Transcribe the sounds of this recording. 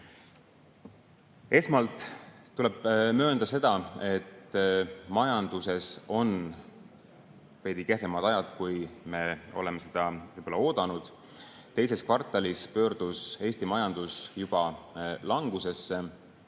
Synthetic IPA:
e̞smɑlt̪ˑːule̞b̥mø̞ːnd̪̥ɑse̞d̪̥ɑe̞t̪ː | mɑjɑnd̪̥use̞so̞n | pe̞ːd̪ike̞hθemɑt̪ɑjɑd̪̥kujme̞o̞le̞mːese̞d̪̥ɑvɯjb̥olːɑo̞ːd̪̥ɑnud̪̥ | t̪e̞jse̞skvɑrt̪ːˑɑlispø̞ːrd̪̥use̞ːsʲt̪imɑjɑnd̪usjub̥ɑlɑŋɡuse̞sːe

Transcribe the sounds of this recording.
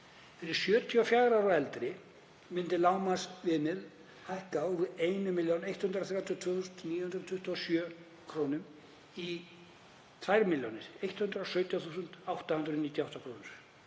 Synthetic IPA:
fɛɾɪɾ̥sjœːt̪ʰiɔfjaːwɾawɾɔɛlt̪ɾɪ | mɪnt̪ɪlaːwmasvɪːnɪl | hajhkavɪejnʏmɪljownejht̪hʏnt̪ɾaθɾjawt̪ʰjɔt̪ʰvœːθuːsnt̪niːjhʏnt̪ɾt̪ʰvʏht̪ɔɔsjœː | kʰɾownʏm | i | t̪ʰvajɾmɪljownɪɾ̥ejht̪hʏnt̪ɾasœːɥt̪ʰjaθuːsʏnt̪awht̪ahʏnɾʏðniːt̪jawht̪akʰɾoːwnɪɾ̥

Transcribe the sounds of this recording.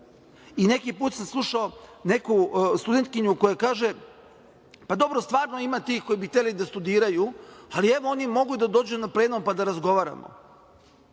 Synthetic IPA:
ine̞kipuːt̪samslˠuʃao̞ne̞kust̪ud̪e̞nt̪̚kiɲuko̞jakaːʒe | pad̪o̞bɾo̞st̪ʋaːɾnoimat̪iːxko̞jibixt̪ellid̪ast̪ud̪iːɾajualie̞ʋoonimo̞ɡud̪ad̪o̞ːd͡ʑunapleːnompad̪aɾazɡo̞ʋaːɾa̰mo̰

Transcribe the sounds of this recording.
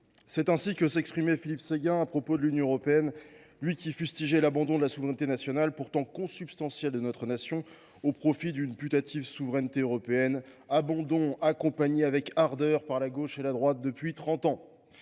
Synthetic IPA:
sɛt̪ɛ̃sikʲəsɛkspχimɛfilipseɡʲɛ̃apχɔpod̪əlynjɔ̃øʁɔpeɛn | lɥikʲifyst̪iʒɛlabɑ̃d̪ɔ̃d̪əlasuvʁɛnt̪enasjɔnalpuʁt̪ɑ̃kɔ̃sypst̪ɑ̃sjɛld̪ənɔt̪χənasjɔ̃ | opχɔfid̪ynpyt̪at̪ʰivsuvʁɛnt̪eøʁɔpeɛn | abɑ̃d̪ɔ̃akɔ̃paɲeavɛkaʁd̪œʁpaʁlaɡoʃelad̪ʁwat̪̚d̪əpɥit̪χɑ̃t̪ɑ̃

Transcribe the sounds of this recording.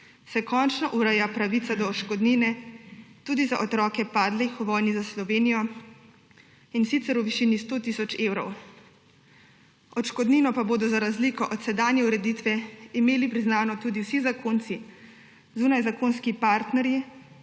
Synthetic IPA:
sɛkɔːnt͡ʃnɔʔuɾɛjapɾaʋit̪sad̪ɔːt͡ʃkɔd̪ninɛt̪uːd̪izaʔɔt̪ɾɔːkɛpaːd̪lixuʋɔːjnizaslɔʋeːnijɔ | insit̪sɛɾuʋiʃiːnist̪ot̪isɔt͡ʃewɾɔ̰w | ɔt͡ʃkɔd̪niːnɔpaboːd̪ɔzaɾazlikɔʔɔt̪sɛd̪aːnjɛuɾɛd̪it̪ʋɛimeːlipɾiznaːnɔt̪uːd̪iwsizakʰont̪si | zuːnajzakoːnskipaːɾt̪nɛɾji

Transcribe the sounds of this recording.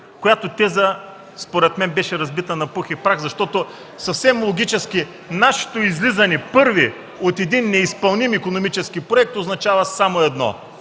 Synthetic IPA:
kojat̪ot̪ɛzə | spoɾɛt̪mɛnbɛʃɛɾɐzbit̪ənɐpuxipɾaxzɐʃt̪ɔt̪o | sɐfsɛmlˠoɡʲit͡ʃɛskʲi | naʃi̥t̪oizlizɐnɛpɤɾvi | ot̪ɛd̪inːɛispɐlˠnimikonomit͡ʃɛsk̟ipɾoɛk̚t̪oznɐt͡ʃavɐsamoɛd̪nɔ̰

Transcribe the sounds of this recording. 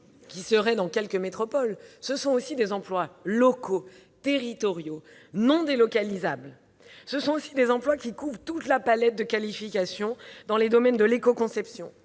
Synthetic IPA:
kʲisəʁɛd̪ɑ̃kʲɛlkəmet̪χɔpɔlsəsɔ̃osid̪ezɑ̃plwalɔkʰo | t̪eʁit̪ɔʁjo | nɔ̃d̪elɔkalizabl | səsɔ̃osid̪ezɑ̃plwakʲikuvʁt̪ut̪lapalɛt̪̚d̪əkalifikʲasjɔ̃d̪ɑ̃led̪ɔmɛnd̪əlekɔkɔ̃sɛpsjɔ̃

